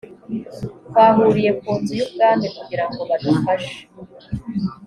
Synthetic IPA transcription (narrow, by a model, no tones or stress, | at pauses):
kwaːɦuɾije̞kuːnzujubɡaːndekuɡiɾaŋɡo̞βad̪afaʃe̥